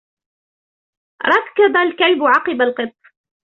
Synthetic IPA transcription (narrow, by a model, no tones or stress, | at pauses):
ɾˤɑkːɑd̪ˤalkalbʊʕɑqɨbalqɨt̪ˤː